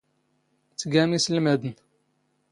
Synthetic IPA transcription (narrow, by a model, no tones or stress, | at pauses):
t͡sːɡæmislmæd̪ən